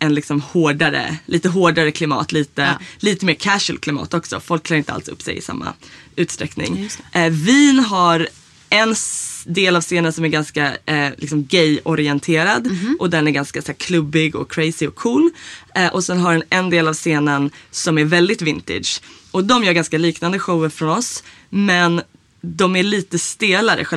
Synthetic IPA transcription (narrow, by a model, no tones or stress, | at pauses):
ʔɛnlɪksɔmhoːɖaɾə̰liːt̪əɦoːɖaɾəkʰlɪmɑ̰ːt̪liːt̪əliːt̪əmeːɾkʰæʂəlkʰlɪmɑ̰ːt̪ɔksɔ̰fɔlk̚ʰːlɑːɾɪnt̪əa̰lsɵ̰pːsɛ̰jɪ̰sa̰mːa̰ʉ̟ːt̪st̪ɾɛknɪ̰ŋviːnɦaɾ | ɛnd̪eːlavseːnansɔmæɾɡanskalɪks̬ɔmɡɛjɔɾɪɛnt̪ʰeːɾad̪ʔɔd̪ɛnæɾɡanskasæːɾkʰlɵbːɪɡɔ̰kʰɾɛjsɪɔkʰːuːlɛʔɔsɛnɦadɛnɛnd̪eːlavseːnənsɔmæɾvɛld̪ɪt̪vɪnt̪ɪ̰d̪ʂ | ɔd̪ɔmjœːɾɡanskaliːknand̪əɧowəɾfɾɔnɔs | mɛn | d̪ɔmæɾɭiːt̪əst̪eːlaɾə̰ɧɛ